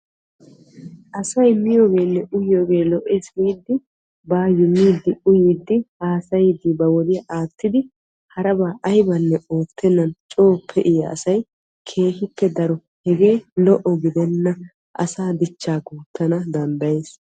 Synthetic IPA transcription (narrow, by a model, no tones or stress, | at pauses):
ʔɐsɐjmɪjoːɡe̞ːnːɛʔʊjjoːɡe̞ːlɔʔeːsmiːd̪ːɪ | baːjʊmːiːd̪ːɪʊjiːd̪ːɪhaːsɐjɪd̪ɪbɐwɔd̪ɪjɐʔaːt̪ʰːɪd̪ɪ | hɐɾɐbaːʔɐjbɐnːɛoːt̪ʰːɛnːɐnt͡ʃʼo̞ːpʰːɛʔɪjɐ̰ːsɐj | kʰe̞ːhɪpːɛd̪ɐɾɔ | hɛɡe̞ːlɔʔɔɡɪd̪ɛnːɐ | ʔɐ̰saːd̪ɪt͡ʃːaːɡuːt̪ːɐnɐd̪ɐnd̪ɐje̞ːs